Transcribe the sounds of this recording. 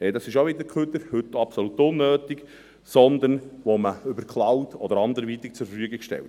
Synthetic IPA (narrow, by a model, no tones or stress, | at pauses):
ɛd̪ɑsɪʃoʋɪd̪əɾkʰʉt̪əɾhɵt̪ːɑpsɔlut̪ːʊnːøːt̪ik | sɔnd̪ənʋoməʏbəɾkʰlɑwt̪ʰɔd̪əɾɑnd̪əɾʋit̪ik̚t͡sʊɾfəfyəɡikʃtɛ̰lt